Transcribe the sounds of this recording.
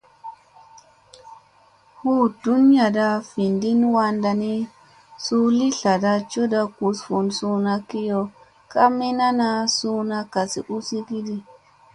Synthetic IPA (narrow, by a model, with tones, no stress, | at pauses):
hu˦du˦n˦a˨da˧fi˨ndi˦nwa˧nda˧ni˦ | su˦li˦ɬa˨da˧t͡ʃo˦da˧ku˧sfo˨nsu˧na˧ki˦jo˧ | ka˦mi˦na˦na˧su˦na˧ka˨sḭ˨ʔu˦si˦ki˦di˦